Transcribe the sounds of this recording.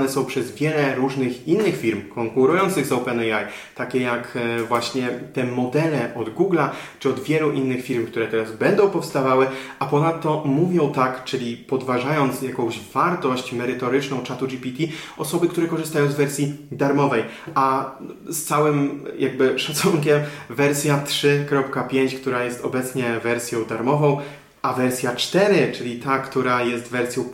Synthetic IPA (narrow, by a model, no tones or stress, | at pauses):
nɛsɔ̃w̃pʂɛzvʲjɛlɛɾuʐnɘxinːɘxfʲiɾmkɔŋkuɾujɔnt̪sɘɣzɔwpɛnɛaj | t̪akʲɛjakvwaɕɲɛt̪ɛmɔd̪ɛlɛʔɔd̪ɡuɡlat͡ʂɘɔd̪vʲjɛluʔinːɘxfʲiɾmkt̪uɾɛt̪ɛɾazbɛnd̪ɔ̃w̃pɔfst̪avawɘʔapɔnat̪ːɔmuvʲjɔ̃w̃t̪akt͡ʂɘlʲipɔd̪vaʐajɔnt̪sjakɔ̃w̃ʑvaɾt̪ɔɕt͡ɕmɛɾɘt̪ɔɾɘt͡ʂnɔ̃w̃t͡ʂat̪ud͡ʒipʲit̪ʲi | ɔsɔbɘkt̪uɾɛkɔʐɘst̪ajɔ̃w̃zvɛɾsʲjid̪aɾmɔvɛj | ʔast̪sawɘmjaɡ̚bɘʂat̪suŋkʲɛmvɛɾsʲjat̪ʂɘkɾɔpkapʲjeɲt͡ɕkt̪uɾajɛst̪ɔbɛt̪sɲɛvɛɾsʲjɔ̃w̃d̪aɾmɔvɔ̃w̃ | ʔavɛɾsʲjat͡ʂt̪ɛɾɘt͡ʂɘlʲit̪akt̪uɾajɛst̪vɛɾsʲjɔ̃w̃